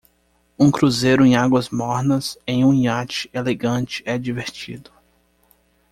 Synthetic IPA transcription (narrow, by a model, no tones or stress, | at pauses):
ũkɾuzejɾʊẽj̃aɡwɐzmɔɾnɐsẽj̃ũĩat͡ʃɪ̥eleɡɐ̃t͡ʃɪ̥ɛd͡ʒiveɾt͡ʃid̪ʊ